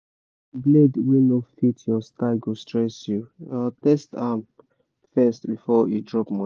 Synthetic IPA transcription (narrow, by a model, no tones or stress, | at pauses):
bledwinofitʰjɔstaɪɡostɹɛsjuatɛstam | fɛstbifɔjudɹɔpmɔ̃